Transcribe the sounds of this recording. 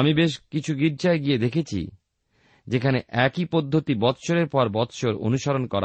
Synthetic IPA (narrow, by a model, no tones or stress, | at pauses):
amibeʃkit͡ɕʰuɡiɾt͡ɕaeɡied̪ekʰet͡ɕʰḭ | d͡ʑekʰaneʔɛkipod̪ʱːot̪ibɔt̪ʃoɾeɾpɔɾbɔt̪ʃoɾo̰nuʃaɾonkɔɾa̰